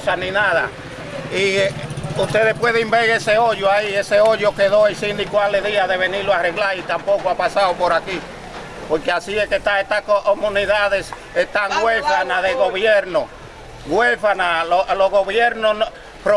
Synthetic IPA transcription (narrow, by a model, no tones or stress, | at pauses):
sanĩnaða̰ | i | uht̪eðehpwe̞ðeimbeɣeseoʝoaieseoʝokeðojsind̪ikwaleðiaðe̞βeniɾloare̞ɣlaɾit̪ampo̞koapasaðopo̞ɾaki | poɾkeasiehket̪aet̪ahkoomũniðaðe̞s | et̪aŋɡwefanaðeɣoβjeɾno | ɣwefanaloloɣoβjeɾnoo | pɾo